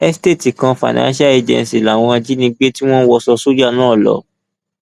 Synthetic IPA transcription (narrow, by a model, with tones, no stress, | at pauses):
ɛ˦ste˦˨ti˨kã˧fa̰˨nã̰˦ʃa˦e˧d͡ʒɛ̰̃˨n˨si˨la˨w̃ɔ̃˧a˧d͡ʒi˦nĩ˧ɡ͡be˦ti˦w̃ɔ̃˦n˦wɔ˧sɔ˧so˦d͡ʒa˦˧˨nãː˦˨lɔ̰˨˦